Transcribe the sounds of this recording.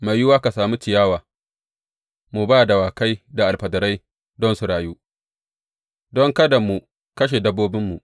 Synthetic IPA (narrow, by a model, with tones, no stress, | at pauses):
ma˨jjʊ˦waː˦ka˨saː˨mu˦t͡ʃɪ˨jaː˦waː˨ | mu˨baː˦˨da˨waː˨ka˦jda˨ʔa˨lɸɐ˨dɐ˨ɾa˦j | dɔ˦nsu˨ɽaː˨juː˦ | dɔ˦ŋkɐ˦da˨mu˨ | kɐ˦ʃ̬e˨dɐ˦bːoː˦bɪ˦mːu˨ʔ